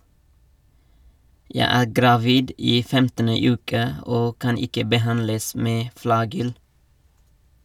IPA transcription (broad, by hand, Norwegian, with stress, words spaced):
ˈjæɪ ˈæː ɡɾɑˈʋiːd ˈiː ˈfɛmtənə ˈʉːkə ˈoː ˈkɑn ˈɪkə bəˈhɑnləs ˈmeː ˈflɑːɡʏl